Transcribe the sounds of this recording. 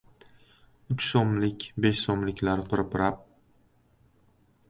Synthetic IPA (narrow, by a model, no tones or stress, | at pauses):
ʊt͡ʃsɒmlɪkʲbeʃsɒmlɪkʲlaɾt̪ʰʊɾɪpɪɾap̚